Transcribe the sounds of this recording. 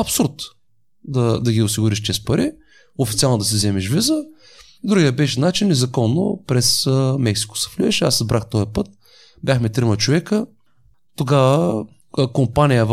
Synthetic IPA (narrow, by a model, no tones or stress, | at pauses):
ɐpsuɾt̪ | d̪ɐd̪ɐɡʲiʊsiɡʊɾiʃt͡ʃɛst̪pɐɾʔi | ofit̪sialˠnod̪ɐs̬ɛzɛmɛʃvizə | d̪ɾuɡijəbɛʃɛnat͡ʃinːɛzɐkɔnːo̰pɾɛsəmɛksi̥ko̥sɛ̥flʲiɛʃɛaszbɾʔaxt̪ɔipɤt̪̚ | bʲjaxmɛt̪ɾimɐt͡ʃovɛkə | t̪oɡavə | kompanʲijəv